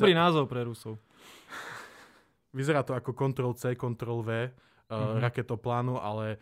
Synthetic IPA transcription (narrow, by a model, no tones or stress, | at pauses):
bɾinaːzɔʊpɾɛɾusɔʊ | ʋizɛɾaːt̪ɔakɔkɔnt̪ɾɔlˠt͡sɛːkɔnt̪ɾɔlʋɛː | ɾakɛt̪ɔplaːnuʔalɛ